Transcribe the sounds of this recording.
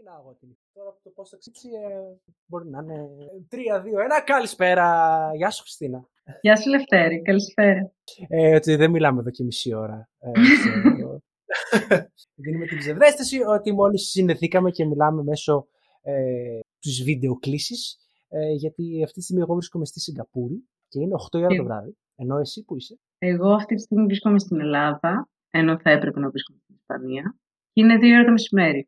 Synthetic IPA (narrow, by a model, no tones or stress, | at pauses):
inɐɣot̪imit̪oɾɐpt̪opost̪ɐksipsi | bo̞ɾinɐnet̪ɾiɐðioenɐkɐlispe̞ɾɐʝɐsu̥xɾi̥st̪inɐ | jɐsleft̪eɾikɐlispeɾɐ | ot̪iðemilɐmeðo̞cemisio̞ɾɐ | o | ðinumet̪ibzevðest̪esio̞t̪imo̞lisːineθikɐme̞ce̞milɐme̞me̞so̞ | et̪uzvid̪e̞o̞klisis | ʝɐt̪iɐft̪itist̪iɣmie̞ɣo̞vɾisko̞me̞st̪isiŋɡɐpuɾi | ceineoxt̪o̞iɐɾɐtovɾɐ̰ði | eno̞e̞sipuise | e̞ɣo̞ɐft̪it̪i̥st̪iɣmivɾisko̞mest̪ine̞lɐðɐ | e̞no̞θɐepɾe̞pe̞nɐvɾiskomest̪inispɐ̰niɐ | cineðioɾɐt̪omesime̞ɾi